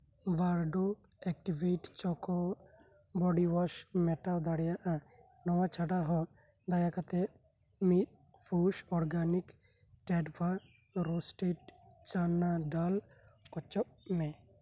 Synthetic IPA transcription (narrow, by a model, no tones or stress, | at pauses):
baɾɖoɛk̚ʈibiʈt͡ʃɔkɔ | bɔɖiwɔʃmɛʈawd̪aɽjaʔanɔwat͡ʃʰaɖaɦɔ̃ | d̪ajakat̪ɛ | mit̪̚ | pʰuʃɔɾɡanikʈɛɖbʰaɾɔsʈiʈ | t͡ʃanaɖal | ɔt͡ʃɔʔmɛ̃